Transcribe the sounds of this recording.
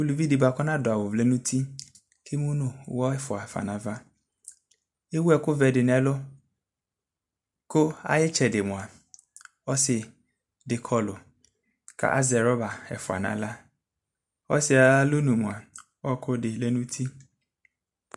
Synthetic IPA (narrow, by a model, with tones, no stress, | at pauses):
u˨lu˨vi˦dɪ˨ba˨kɔ˦nã˦dʊ˨a˨wʊ˨vlɛ˦nũ˦tʰi˦ | kʰe˦mũ˦nʊ̃˨wɔ˦ɛ˦fʊ˨a˨fa̰˨nã˨va˦ | e˦wu˦ɛ˨kʊ˦vɛ˨dɪ˨nɛ˨lʊ˦ | kʊ˦a̰˨jɪ˦t͡ʃɛ˨dɪ˨mʊ̃˨a˨ | ɔ˦sɪ˨ | dɪ˨kʰɔ˦lʊ˨ | kʰa̰˨ʔa˦zɛ˨ɾɔ˦ba˨ɛ̰˨fʊ˨a̰˨nã̰˨la˦ | ɔ˦sɪ˨a˨˦lʊ˦nũ˨mʊ̃˨a˨ | ɔ˦kʰʊ˦dɪ˨lɛ˦nũ˦tʰi˦